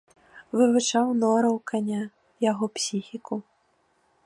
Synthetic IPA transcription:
vɨvɨt͡ʂawnɔɾɐwkʰanʲa | jaɣɔpsʲixʲikʰu

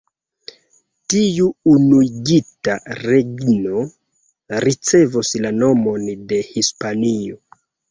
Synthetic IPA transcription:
tiuunuiɡita̰ɾeɡno̞ | ɾit͡se̞vuslano̞mo̞nde̞hispanio

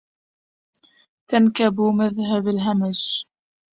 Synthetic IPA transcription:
t̪ankabumaðɦabalɦamaʒ

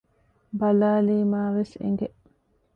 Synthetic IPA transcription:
bɐlaːliːmaːʋesḛŋɡe

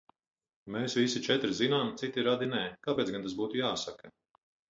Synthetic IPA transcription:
meːsvisit͡ʃɛt̪ɾzinaːmt̪sit̪iɾad̪inɛːkaːpʲeːsɡant̪asbuːt̪ujaːsakɐ

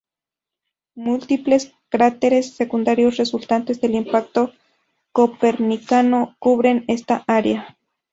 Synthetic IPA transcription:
mult̪iples | kaɾat̪eɾesːekund̪aɾjosresult̪ant̪ezðelimpak̚t̪o | kopeɾnikanokuβɾenest̪aʔaɾea

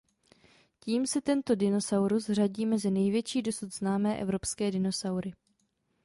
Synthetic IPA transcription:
ciːmsɛt̪ɛnt̪o̞dɪno̞sawɾusr̝aɟiːmɛzɪnɛjvjɛt͡ʃiːdo̞sut̪znaːmɛːʔɛ̰vɾo̞pskɛːdɪno̞sawɾɪ

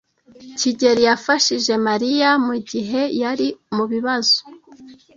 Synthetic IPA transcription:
ciɟe̞ɾijafaʃiʒe̞maɾijamuɟiɦe̞jaɾimuβiβazo̥

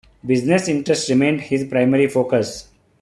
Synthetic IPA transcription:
bɪznesɪ̃ɳʈɾesʈɾɪmẽːɳɖhɪzpɾaɪməɾifoːkəs

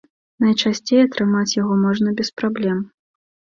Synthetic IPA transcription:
nɐjt͡ʂasʲt͡sʲejɐt̪ɾɨmat͡sʲjaɣɔmɔʐnɐbʲɛspɾablʲɛm

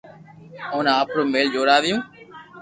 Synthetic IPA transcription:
oːnaaːpɾoːmeːld͡ʒoːɾaːðɪjũː

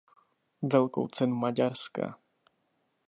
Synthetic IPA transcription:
vʲɛlkɔ̰̃w̃t̪sɛnmad͡ʑaɾska̰

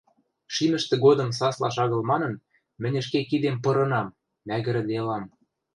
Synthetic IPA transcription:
ʃimə̆ʃt̪ĕɣod̪ɤ̆msɑslɑʃ̬ɑɣɤ̆lmɑnɤ̆n | mɘ̆nʲɘ̆ʃkekid̪empɤ̆ɾɤ̆nɑmː | æɣɘ̆ɾɘ̆d̪elɑm

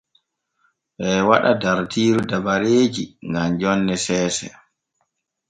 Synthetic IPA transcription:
ɓɛwaɗadaɾtʰiːɾudabaɾeːd͡ʒiŋɡamd͡ʒɔnːɛsɛːsɛ̰

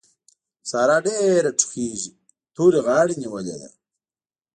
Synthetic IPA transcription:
saːɾaːɖeɾɐʈ͡ʂʰu̥xiːʑi | t̪ʰuːɾiɣaːɽiniwɐlḛd̪ɐ̰

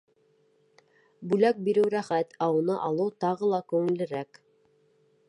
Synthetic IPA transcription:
bʉlæk̚biɾɘwɾæχæt̪ɑwɤ̆nɤʔɑlˠɤwt̪ɑʁɤlˠɑkʉŋɘ̆lɘ̆ɾæk

